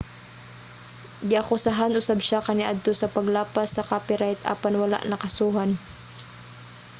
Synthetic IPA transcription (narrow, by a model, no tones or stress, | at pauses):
ɡɪʔakʊsaɦanʔʊsabʃakɐnɪʔad̪̚t̪osɐpɐɡlaːpasːɐkaːpɪɾajt̪ʔa̰ːpanwɐla̰ʔnɐkɐsuːɦan